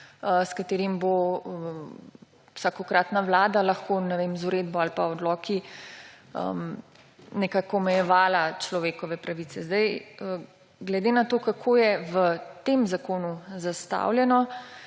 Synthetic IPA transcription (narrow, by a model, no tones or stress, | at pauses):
skat̪eːɾimbo | wsakɔkɾaːt̪naʋlaːd̪alaxkonɛʋemzuɾeːd̪̚bɔalpaɔd̪lɔːkʰi | ə̰m | nɛkaːkɔmɛjɛʋaːlat͡ʃlɔʋeːkɔʋɛpɾaʋiːt̪sɛzd̪ajə | ɡlɛd̪eːnat̪oːkakʰoːjɛʋət̪emzakoːnuzast̪a̰wljɛnɔ